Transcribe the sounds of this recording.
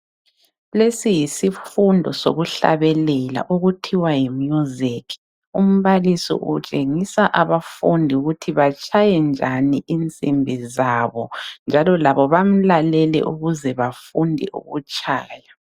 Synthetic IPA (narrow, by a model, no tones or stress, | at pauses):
lesijisifundʱɔ̰so̰ɣuɬa̰βɛlɛla̰ʔoɣutʰiwajimjuzikʰ | um̩βalisḭʔut͡ʃʼeŋisaʔaβafundʱiuɣutʰiβat͡ʃʼʰajɛnd͡ʒʱaniʔint͡sʼimbʱizaβɔnd͡ʒʱalɔlaβɔβam̩lalɛlɛ̰ʔuɣuzɛβafundʱɛ̰ʔṵɣṵt͡ʃʼaːja